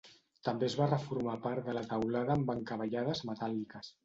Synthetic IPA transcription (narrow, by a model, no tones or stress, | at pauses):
t̪əmbezβarəfuɾmapaɾt̪d̪ələt̪awlaðəːmbaŋkəβəʎað̞əzmət̪alikəs